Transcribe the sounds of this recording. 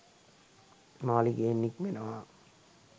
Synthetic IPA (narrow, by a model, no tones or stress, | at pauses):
naːliɡeːnːikmenəʋa